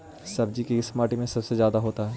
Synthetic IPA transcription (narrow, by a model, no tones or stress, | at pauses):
sɐb̚d͡ʒikiɪsmaːʈimẽsɐbsezjaːd̪aɦoːt̪aɦɛː